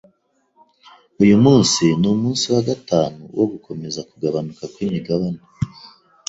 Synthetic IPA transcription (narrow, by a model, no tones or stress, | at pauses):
ujumuːnsinumuːnsiwaɡataːnṵwo̞ɡuko̞me̞zakuɡaβanukakwimiɡaβana